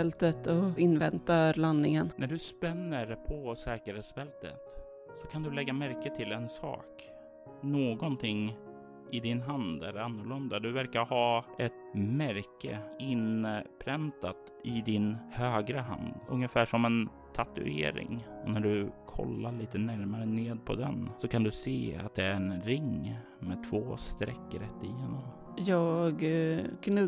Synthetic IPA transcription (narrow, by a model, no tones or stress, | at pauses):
ɛlt̪ət̪ɔɪnvɛnt̪alanːɪŋənnʔæɖɵspɛnːəɾpʰɔsɛːkəɾheːt̪sfɛlt̪ə̰t̪ | sɔkʰand̪ɵlɛɡːamæɾkət̪ʰɪlɛnsɑ̰ːk | noːɡɔnt̪ʰɪŋː | ʔɪd̪ɪnɦand̪ɛɾanːʊɭɵnd̪ad̪ɵvæɾkaɾhɑːɛt̪mæɾkə̰ɪnpʰɾɛnt̪at̪ | ɪd̪ɪnhøːɡɾəɦa̰nd̪ɵŋjəfæːʂɔmɛn | t̪ʰat̪ɵ̰ḛːɾɪ̰ŋɔnæɖɵkʰɔ̰lːaɭiːt̪ənæɾmaɾəneːd̪̚pʰɔ̰d̪ɛ̰nsɔkʰand̪ɵseːa̰t̪̚d̪ɛæɾɛnɾɪŋ | mɛt̪ʰvoːst̪ɾɛkːɾɛt̪ːɪjeːnɔm | jɑːɡkʰn